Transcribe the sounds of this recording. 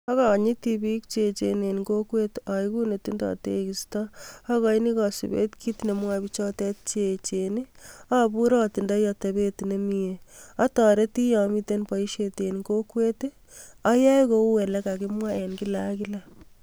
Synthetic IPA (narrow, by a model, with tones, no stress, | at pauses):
ɔ˦kɔ˨ɲi˦ti˦bi˦k̚t͡ʃe˨t͡ʃene˨nɡo˦kwe˦tɔ˨i˦ku˦ne˨ti˦ndɔ̰˨te˦ki˨stɔː˦kɔ˨i˦ni˦kɔ˨sḭ˨bḛ˦tkʰi˦tne˨mwabi˦t͡ʃɔ˦tɛ˦t̚t͡ʃet͡ʃe˨ni˦a˦bu˦ɾɔ˦ti˨nda˦jɔ˨te˨be˦tne˨mi˦ea˦tɔ˨ɾe˦ti˦jɔ˨mi˦te˦npa˨i˦ʃete˨nɡo˦kwe˦t | ɔ˦ja˦jko˦u˦we˨la˦ka˨ki˦mwa˦e˨nki˦la˦kila